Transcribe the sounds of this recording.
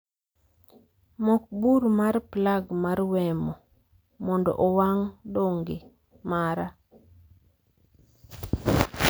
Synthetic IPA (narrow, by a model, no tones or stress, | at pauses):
mɔk̚buɾmarplaɡmarwɛmɔ | mɔndɔ̰ʔɔwaŋdoŋɡe | maɾa